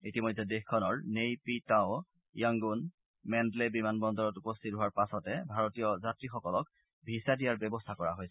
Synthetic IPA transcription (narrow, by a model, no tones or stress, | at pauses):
itimojdɛdexkʰːɔnɔɹnejpitaʊ | jaŋɡun | mɛndlebimanbɔndɔɹɔtupɔstʰit̚ɦʊwaɹpasɔtɛbʱaɹotijɔzatɹixɔkɔlɔk̚ | bʱisadijaɹbɛbɔstʰakɔɹa̰ɦojsɛ